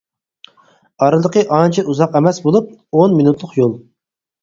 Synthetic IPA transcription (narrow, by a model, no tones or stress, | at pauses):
ɑɾɨlˠəqʰəʔɑnt͡ʃʰɛʔuzɑqɛmɛsbolˠup̚onminut̪lˠəqjolˠ